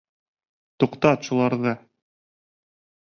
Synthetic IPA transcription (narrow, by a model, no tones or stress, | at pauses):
t̪uqt̪ɑt̪ʃulˠɑɾðɤ